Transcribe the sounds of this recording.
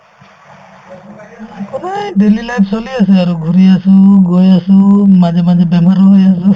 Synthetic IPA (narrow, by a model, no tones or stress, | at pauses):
kɔnajdelilajp̚sɔliaseaɾuɡʱuɾiasuɡɔjasumazɛmazɛbɛmaɾɔɦjasu